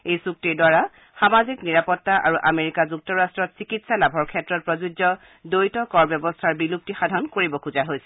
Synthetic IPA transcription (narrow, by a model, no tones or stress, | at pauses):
ejsuk̚tiɹdwaɹa | xamazikniɹapɔtːaʔa̰ɹuʔameɹikazuk̚tɔɹastɹɔtsikitsalabʱɔɹkʰɛtɹɔt̚pɹɔzud͡ʒɔ | dojtɔkɔɹbjɔbɔstʰaɹbilup̚tixadʱɔnkoɹibɔkuzaɦojsɛ